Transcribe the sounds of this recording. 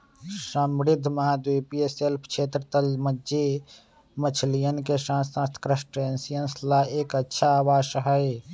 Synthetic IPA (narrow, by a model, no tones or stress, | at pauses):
səmɾɪd̪ʱːməɦad̪ujpieselpʰkʰet̪ɾət̪əlməd͡ʒe | mət͡ʃʰlijənkesãsãːst̪ʰkɾəsʈensijənslaeːkətːʃʰaːʋaːsəɦəj